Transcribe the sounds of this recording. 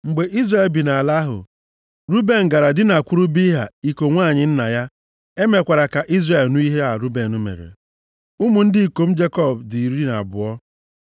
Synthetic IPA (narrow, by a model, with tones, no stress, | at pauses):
ŋ͡m̩˨ɡ͡be˨ʔi˦zra˦˨e˨lbi˨na˨a˨la˦ɦʊ̰˨ | ɾu˦be˨n̩˨ɡa˨ɾa˨dɪ˦na˨kʷʊ˦ɾu˦bi˦ɦa̰˨i˦ko˨ŋʷaː˦˨ɲɪ˨n̩˦na˨ja˦ | e˦me˨kʷa˨ɾa˨ka˨ʔi˦zre˨lnu˦i˦ɦe˦a˨ɾu˦be˨nu˦mḛ˨ɾḛ˨ | u˦mu˨n̩˦dɪ˦i˨ko˨m̩˦d͡ʒe˦kɔ˦˨b̚di˨ɾi˦na̰˨bʊ̰˨ɔ˦